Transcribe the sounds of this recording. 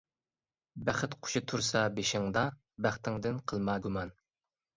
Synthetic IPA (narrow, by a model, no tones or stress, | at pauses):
bæχɪt̪qʰʊ̥ʃit̪ʰuɾsɑbeʃɪŋd̪ɑ | bæχt̪ʰɪŋd̪ɪnqʰəlˠmɑːɡumɑn